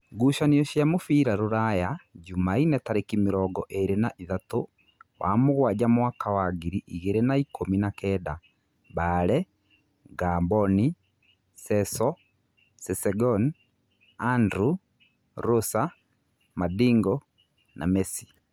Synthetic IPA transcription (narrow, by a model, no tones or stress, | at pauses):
ɡuʃaniɔʃjamofiːɾaɾoɾajad͡ʒumainɛtaɾekimeɾɔɡɔʔeɾenaʔiðato | wa̰moɣwaɟamwakawaɡiɾiʔiɣeɾenaikominakɛːda | baɾɛ | ɡambɔni | sɛsɔ | sɛsɛɡɔn | andɾu | ɾosa | madiŋɡɔ | na̰mɛsi̥